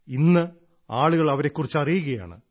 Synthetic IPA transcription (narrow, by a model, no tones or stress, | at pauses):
inːɨ | aːɭuɣɐɭɐʋɐɾe̞kːurit͡ɕːɐrijuɣɐja̰ːɳɨ̰